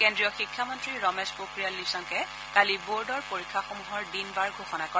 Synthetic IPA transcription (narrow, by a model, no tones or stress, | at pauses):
kendɹiɔxikʰːamɔntɹiɹɔmɛspɹokɹijalːisɔŋkɛ | kaliboɹdɔɹpoɹikʰːaxomuɦɔɹdinbaɹɡʱoxɔnakɔ